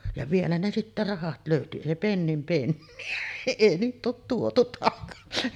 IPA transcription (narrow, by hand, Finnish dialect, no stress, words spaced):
jɑ ʋielæ ne sitːæ rɑhɑt løˑyty eˑi penːim penːiæ eˑi niːt̆ oːt tuotu tɑkɑsi